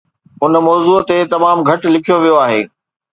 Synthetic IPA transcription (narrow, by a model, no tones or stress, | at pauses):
ʊnmɔːzuːt̪et̪ɐmaːmɡʱɐʈlɪkʰijoʋijoaːɦḛː